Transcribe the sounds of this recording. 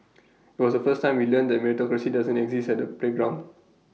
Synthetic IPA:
itwɔsdəfəstːãɪ̃mwilə̃nd̪ɛt̚mɛɹitɔkɹasidazə̃ntɛɡzistɛt̚dəpleɡɹãʊ̃nd

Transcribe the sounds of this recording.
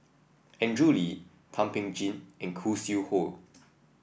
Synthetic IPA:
ɛ̃ndɹuli | tʰãmpɪ̃ŋd͡ʒĩnɛ̃nkʰusjuhol

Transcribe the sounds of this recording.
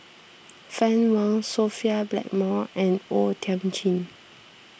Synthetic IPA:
fɛ̃nwãŋsofiablɛ̰k̚mɔɛ̃notʰɛ̃mt͡ʃĩn

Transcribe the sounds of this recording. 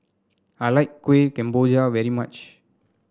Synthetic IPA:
aɪlaɪkːweːkɛ̃mboːd͡ʒaʋɛɾimʌt͡ʃ

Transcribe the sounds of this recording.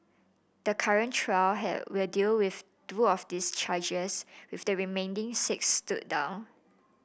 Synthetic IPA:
d̥əkʰaɹə̃ntʰɹaɪlɦɛ̰dwɪldilwɪf | tɹuɔfdist͡ʃad͡ʒəswɪfdəɹimẽndɪ̃ŋsɪkstut̚dã̰ʊ̃n

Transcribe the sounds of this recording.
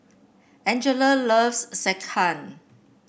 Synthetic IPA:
ɛ̃nd͡ʒələləvsːɛkʰãn

